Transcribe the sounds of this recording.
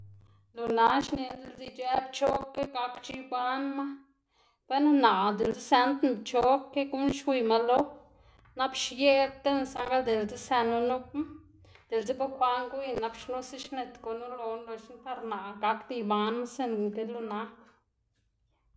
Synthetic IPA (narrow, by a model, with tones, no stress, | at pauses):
lu˨na˦ʃni˧nd̪e˧ld͡zi˧d͡ʒɛ˦pt͡ʃo˦kːe˦ka˧kt͡ʃi˧ba˦nma˦ | pe˦nana˨ʔd̪e˨ld͡zi˦sɛ˧nt̪n˧bt͡ʃo˦kːe˦ku˦nʃwi˧jma˧lo˦ | na˧pʃje˦t̪e˦nsa˧ŋɡa˦ld̪e˨ld͡zi˦sɛ˧nu˧nu˦p̚m˦ | d̪̥e˨ld͡zi˦ba˦pa˦ŋɡu˦i˧na˧pʃnu˦si˦ʃne˧t̪ko˧nu˦lo˧nlo˧t͡ʃnt̪a˧ɾna˨ʔa˨ka˧kd̪i˧ba˧˦nma˦se˧nnke˧lu˧na˧˦